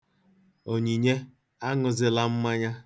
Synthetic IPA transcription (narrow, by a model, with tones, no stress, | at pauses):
o˨ɲi˨ɲe˦ | a˦ŋʊ˨zɪ˨la˦m̩˦ma˦ɲa˦